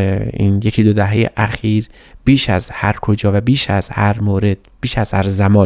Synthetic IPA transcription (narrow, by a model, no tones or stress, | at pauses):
ḭːnjecʰid̪od̪æɦejḛʔæxiːɾ | b̥iːʃæzhæɾkʰod͡ʒɒːvæbiːʃæz̥hæɾmoːɾed̪̥̚b̥iːʃæz̥hæɾzæmɒː